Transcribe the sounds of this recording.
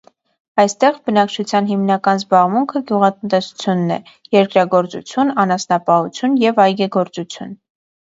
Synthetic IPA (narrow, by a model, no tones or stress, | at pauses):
ɑjst̪ɛʁbənɑkt͡ʃʰut͡sʰjɑnɦimnɑkɑnzbɑʁmuŋkʰəɡjuʁɑt̪ənt̪ɛsu̥t͡sʰjunːɛ̰ | jɛɾkɾɑɡɔɾt͡sṵt͡sʰjunɑnɑsnɑpɑhut͡sʰjunjɛvɑjɡɛɡɔɾt͡sut͡sʰjun